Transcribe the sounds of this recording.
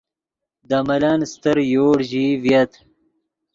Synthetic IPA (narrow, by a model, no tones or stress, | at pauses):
d̪amɐlanst̪əɾjoːɽʑivjɐt̪